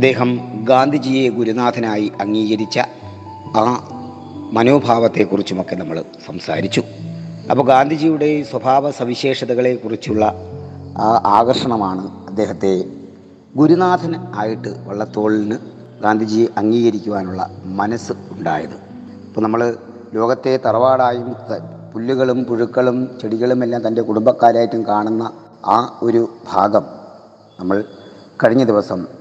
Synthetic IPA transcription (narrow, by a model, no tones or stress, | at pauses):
ɐd̪ːe̞ːɦɐmɡaːnd̪ʱid͡ʑiːjeɡuɾunaːd̪ʱɐnaːjiɐŋːiːɣɐɾit͡ɕːɐ | aː | mɐno̞ːbʱaːʋɐt̪ːe̞kːurit͡ɕːumokːe̞nɐmːɐɭsɐmsa̰ːɾit͡ɕːu | ɐ̰pːoːɡaːnd̪ʱid͡ʑijuɽe̞swɐbʱaːʋɐsɐmiɕe̞ːʂɐðɐɣɐɭe̞kurit͡ɕːuɭːɐ | ʔaːɣɐrʂɐɳɐmaːɳɨɐd̪ːe̞ːɦɐt̪ːe̞ | ɡuɾunaːd̪ʱɐnaːjiʈːɨʋɐ̰ɭːɐt̪o̞ːɭilnɨ | ɡaːnd̪ʱid͡ʑiːjʔɐŋːiːɣɐɾikʲːuʋaːnuɭːɐ̰mɐnɐsɨuɳɖa̰ːjɐðɨ | ɐpːoːnɐmːɐɭ | lo̞ːɡɐt̪ːe̞t̪ɐrɐʋaːɽaːjum | pulːuɣɐɭumpuɻukːɐɭumt͡ɕeɽiɣːɐɭumelːaːmt̪ɐnde̞kuɽumbɐkːaːɾaːjitːumkaːɳunːɐ | aːoɾubʱaːɡɐm | nɐmːɐɭ | kɐɻiɲːɐd̪iʋɐsɐm